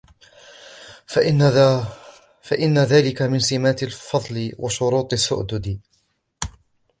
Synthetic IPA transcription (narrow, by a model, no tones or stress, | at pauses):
faʔɪnːaðaːlɪkamɪnsɪmaːt̪ɪlfɑðˤlɪwʔaʃʊɾuːt̪ˤɪsːʊ̰ʔd̪ʊd̪ɪ